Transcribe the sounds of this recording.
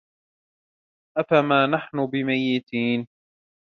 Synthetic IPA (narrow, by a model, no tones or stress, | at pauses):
ʔafamaːnaħnʊbɪmajːɪt̪ʰiːn